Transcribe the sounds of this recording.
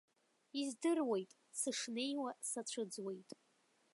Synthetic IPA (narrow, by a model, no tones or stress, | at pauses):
izdɨrwe̞jtʼ | sɨʂne̞jwasat͡ɕʷʰɨd͡zwejtʼ